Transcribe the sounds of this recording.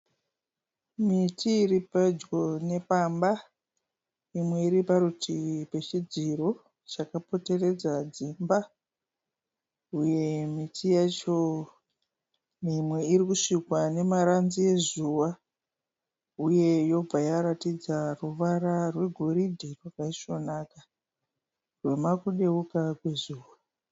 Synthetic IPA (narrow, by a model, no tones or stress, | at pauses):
mitʰiːripad͡ʒɡo̞ne̞pamba | imwe̞iɾipaɾutʰipe̞t͡ʃid͡ziro̞ | t͡ʃakapo̞te̞re̞d͡zad͡zimba | uje̞mitʰijat͡ʃo̞ | nimwe̞iɾikuʂikwane̞maɾanzije̞zuʋa | uje̞jo̞b͡vʱajaɾatid͡zaruʋaɾarwe̞ɡʱo̞ɾidʱirwakaiʃo̞naka | rwe̞makuɗe̞ukakwe̞zuːwa